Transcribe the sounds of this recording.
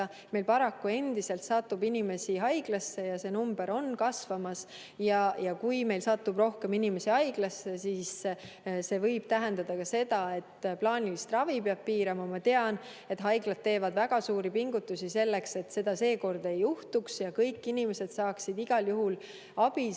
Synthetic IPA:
me̞jlpɑɾɑkːue̞nd̪̥ise̞lt̪sɑt̪ːubinime̞siɦɑjɡ̥lɑsːe̞jɑse̞numb̥e̞ɾo̞nkɑsvɑmɑs | jɑjɑkujme̞jlsɑt̪ːubro̞hke̞minime̞siɑjɡ̥lɑsːe̞siːs | se̞ːvɤjb̥̚t̪æɦe̞nd̪̥ɑd̪̥ɑkɑse̞d̪̥ɑe̞t̪ːplɑːnʲilist̪rɑvipeɑb̥̚piːɾɑmɑmɑt̪e̞ɑn | e̞t̪ɦɑjɡ̥lɑt̪̚tːe̞ːvɑd̪̥væɡ̥ɑsuːɾipiŋɡut̪ːˑusise̞lːe̞kse̞t̪se̞d̪ɑse̞ːko̞rd̪̥e̞juht̪uksjɑkɤjkːinime̞se̞d̪̥sɑːksid̪̥iɡ̥ɑljuɦul | ɑb̥i

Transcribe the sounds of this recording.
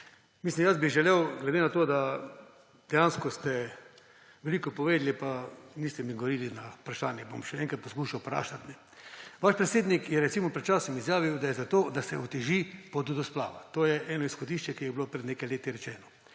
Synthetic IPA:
mislimjazbiʒɛlɛwɡlɛd̪enat̪oːd̪a | d̪ɛjanskɔst̪ɛ | ʋɛlikɔpɔʋeːd̪lipaniːst̪ɛmiɡoʋoɾiːlinaupɾaʃaːnjɛbo̰mʃɛɛŋkat̪̚pɔskuːʃawpɾa̰ːʃat̪nɛ | ʋaʃpɾɛt̪seːd̪nikjɛɾɛt̪simɔpɾɛt̪̚t͡ʃaːsɔmizjaːʋiwd̪ajɛzat̪oːd̪asɛut̪ɛʒipɔd̪ud̪ɔspla̰ːʋa̰t̪oːjɛʔɛːnɔisxɔd̪iːʃt͡ʃɛkijɛbilopɾɛd̪neːkajleːt̪iɾɛt͡ʃɛːnɔ

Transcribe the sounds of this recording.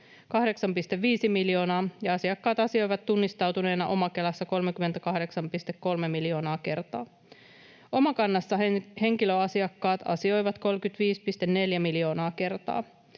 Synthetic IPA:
kɑhde̞ksɑmpist̪eʋːiːsimiljo̞ːnɑːjɑɑsiɑkːɑːt̪ɑsio̞jʋɑt̪t̪unːist̪ɑwt̪une̞ːnɑʔo̞mɑke̞lɑsːɑko̞lmek̟ymːe̞nt̪ækɑhde̞ksɑmpist̪ekːo̞lmemiljo̞ːnɑːke̞rt̪ɑ̰ː | o̞mɑkɑnːɑsːɑhe̞ŋkiløɑsiɑkːɑːt̪ʰɑ̰sio̞jʋɑt̪ko̞lkyt̪ʋiːspist̪enne̞ljæmiljo̞ːnɑːke̞rt̪ɑ̰ː

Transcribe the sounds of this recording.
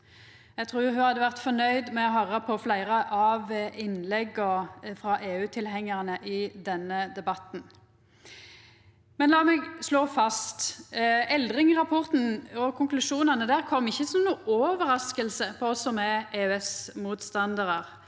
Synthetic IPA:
æɡt̪ʰʁuːʁɦʉhɑd̪ːəʋæʁt̪fɔnœʏd̪mɛɔɦœɾːəpʰɔflæɪɾəʔɑʋʔɪnlɛɡɔfɾɑʔeːʉːt̪ʰɪlɦɛŋːəʁnəʔɪd̪ɛnːəd̪ɛbɑt̪n̩ | mɛnlɑːmɛɡsloːfɑst̪ | ɛld̪ʁɪŋʁɑpʰɔʁt̪n̩ɔkʰʊŋklʉʃuːnɑnəd̪æːʁkʰɔmːɪçːəsɔmnuːʔɔːʋəɾɑskəlsəpʰɔɔsːɔmɛeːʉɛsmuːt̪st̪ɑnd̪əʁəʁ

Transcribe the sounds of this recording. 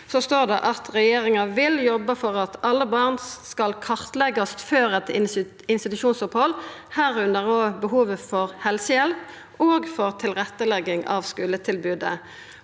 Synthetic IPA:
sost̪oːʁd̪ɛ̰ʔɑt̪ʰʁɛjeːʁɪŋɑʋɪljɔbːəfɔʁɑt̪ʰɑlːəbɑʁnskɑlkʰɑʁt̪lɛɡɑst̪føːɾɛt̪ | ɪnst̪ɪt̪ʉʃuːnsʊphɔlːhæːʁʉnd̪əʁoːbəɦuːʋəfɔʁhɛlsəjɛlp | oːɡfɔʁt̪ʰɪlʁɛt̪ːəlɛɡːɪŋʔɑ̰ʋskʉːlət̪ʰɪlbʉːd̪ə̰

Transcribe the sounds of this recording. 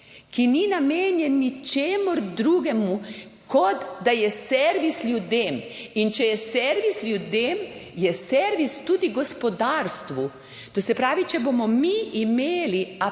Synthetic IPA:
kininameːnjɛnːit͡ʃeːmɔɾd̪ɾuːɡɛmu | kʰɔd̪d̪ajɛsɛɾʋislʲjud̪eːmint͡ʃɛjɛsɛɾʋislʲjud̪emjɛsɛɾʋist̪uːd̪iɡɔspɔd̪aːɾst̪ʋu | t̪osɛpɾaːʋit͡ʃɛbomɔmiʔimeːlia

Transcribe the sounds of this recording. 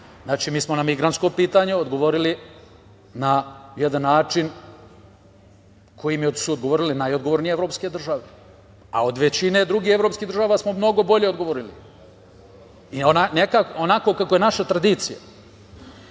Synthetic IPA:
znaːt͡ʃiːmiːsmonamiɡɾant̪sko̞piːt̪aɲeod̪ɡo̞ʋo̞ɾili | najed̪anːaːt͡ʂin | kʰo̞jimjosuod̪ɡoʋoɾilenajod̪ɡoʋoɾnijeeʋɾopske̞d̪r̩ʒaʋe̞ | a̰o̞d̪ʋe̞t͡ɕine̞d̪ɾuɡiːhe̞vɾo̞ːpskiːɦd̪rʒaːʋaːsmo̞mno̞ɡo̞bo̞ʎe̞od̪ɡo̞ʋoɾili | ionanekakonako̞kako̞je̞naʃat̪ɾad̪iːt̪sija̰

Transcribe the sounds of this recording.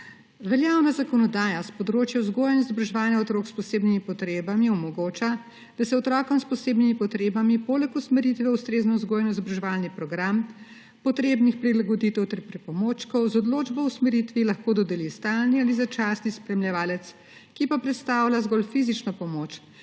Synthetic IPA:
ʋɛljawnazakɔnɔd̪aːjaspɔd̪ɾoːt͡ʃjɔzɡoːjnɔzɔbɾʒɛʋalnjɛɔt̪ɾoːkspɔseːbnimipɔt̪ɾeːbamiɔmɔɡoːt͡ʃa | d̪̥asɛɔt̪ɾɔːkɔmspɔseːbnimipɔt̪ɾeːbamipoːlɛkusmɛɾit̪ʋɛust̪ɾeːznɔzɡoːjnɔzbɾʒɛʋalnipɾɔɡɾam | pɔt̪ɾeːbnixpɾilaɡɔd̪it̪ɛwt̪ɛɾpɾipɔmoːt͡ʃkɔwzɔd̪loːd͡ʒbɔwsmɛɾit̪ʋilaxkoːd̪ɔd̪ɛlist̪alnializat͡ʃaːsnispɾɛmljɛʋaːlɛt̪s | kipapɾɛt̪st̪aːwlʲazɡɔlfiːzit͡ʃnɔpɔmoːt͡ʃ

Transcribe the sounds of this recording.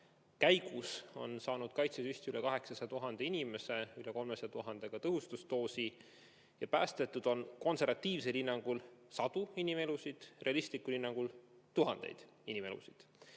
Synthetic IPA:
kæjɡ̥uso̞̰nsɑːnud̪̥̚kɑjt̪sesyst̪ylekɑɦe̞ksɑset̪uɦɑnd̪̥einʲime̞se̞yleko̞lmeset̪uɦɑnd̪̥e̞ɡ̥ɑt̪ɤɦust̪ust̪o̞ːsi | jɑpæːst̪et̪ːud̪̥o̞nko̞nse̞ɾvɑt̪ːiːvs̬e̞linːɑŋɡ̥ulsɑd̪̥uinime̞lusid̪̥re̞ɑlist̪likːˑulinːɑŋɡ̥ult̪uɦɑnd̪̥e̞̰jd̪̥ | inʲime̞̰lṵsid̪̥

